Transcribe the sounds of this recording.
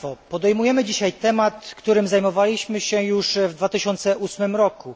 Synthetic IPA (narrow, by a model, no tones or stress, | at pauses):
ɔpɔd̪ɛjmujɛmɘd͡ʑiɕajt̪ɛmat̪kt̪uɾɘmzajmɔvalʲiɕmɘɕɛjuʂvd̪vat̪ɘɕɔnt̪sɛʔusmɘmɾɔku